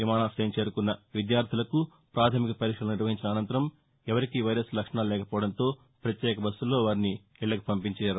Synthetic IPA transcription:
ʋimaːnaːsɐjɐmt͡ʃe̞ːɾukunːɐʋid̪jaːɾt̪ʰilɐku | pɾaːt̪ʰɐmikɐpɐɾiːkʂɐluniɾʋɐɦiɲt͡ʃinɐːnɐnt̪ɐɾɐm | ɛʋɐɾikiʋɐjɾɐslɐkʂɐɳaːllɛːkɐpɔːʋɐɽɐnt̪o̞ː | pɾɐt̪jɛːkɐbɐsːulːo̞ːʋaːɾni | ɛɭːɐku̥pɐmpiɲt͡ʃɛːjɐːɾu

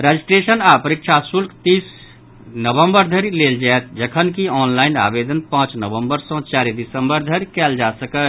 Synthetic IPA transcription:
ɾad͡ʒisʈɾesənapəɾik̚t͡ʃʰasulkt̪is | nəbə̃mbəɾd̪ʱəɾileld͡ʒaet̪̚d͡ʒəkʰənkiɔːnlaɪna̰bed̪ənpãt͡ʃnəbə̃mbəɾsə̃t͡ʃaɾed̪isəmbəɾd̪ʱəɾkɛːld͡ʒasəkə

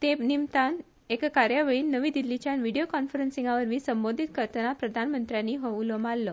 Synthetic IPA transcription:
t̪enimt̪an | ekkaɾjaʋeɭiːnːəʋiːd̪ilːit͡ɕjanʋiɽijokɔnfəɾənsiŋɡaʋəɾmiːsəmbod̪ʱit̪kəɾt̪ənapɾəd̪ʱanmənt̪ɾjanːiːɦoʋulomalːə

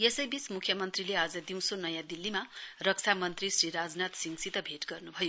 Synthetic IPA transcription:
jesʌjbismukʰjʌmʌnt̪rilead͡zʌd̪iw̃sʰonʌjãd̪ilːimarʌk̚t͡sʰamʌnt̪risriɾad͡znat̪siŋsit̪ʌbʱeʈɡʌrnubʱʌjo

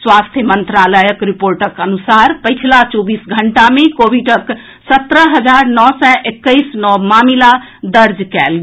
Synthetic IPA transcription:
swast̪ʰjəmənt̪ɾaləjəkɾipoɾʈəkənusaɾpəjt͡ʃʰilat͡ʃɔbisɡʱəɳʈamekobiɖək | sət̪ɾəɦəd͡ʒaɾnɔsɛʔekːəɪsnɔmamila | d̪əɾd͡ʒkɛlɡe

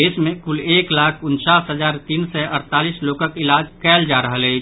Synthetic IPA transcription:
eːsmẽkʊleːklaːkʰʊnt͡ʃaːsɦəzaːɾt̪iːnsɛʔɐɾt̪aːliːsloːkəkɪlaːd͡ʒkɛːld͡ʒaːɾɐɦəlɛː

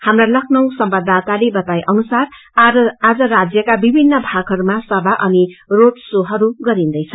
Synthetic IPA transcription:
hamralʌkʰnʌw̃sʌmbʌd̪at̪alebʌt̪ajʔʌnusar | ad͡zʌrad͡zjʌkabibʱinːʌbʱaɡʱɦʌɾumasʌbaʔʌnirot̪soɦʌɾuɡʌɾind̪ʌjt͡sʰʌ

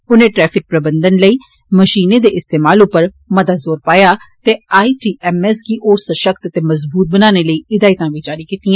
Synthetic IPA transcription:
ʊnẽːʈɾɛːpʰɪk̚pɾəbənd̪ənləiː | məʃiːneːd̪eːʔɪst̪eːmaːlʊpəɾ | məd̪aːzoːɾpaːjaːt̪eːaːiːʈiːʔɛːmɛːskiːʔoːɾsəʃəkt̪ət̪eːməzbuːt̪̚bənaːneːləiːɪd̪aːit̪ãːʋiːd͡ʒaːɾiːkiːt̪iːãː

